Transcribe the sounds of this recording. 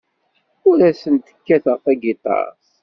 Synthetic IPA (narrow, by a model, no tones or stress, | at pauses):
ʊɾæsənt̪ə̥kːæθʁəfæɡit̪ˤɑ̰s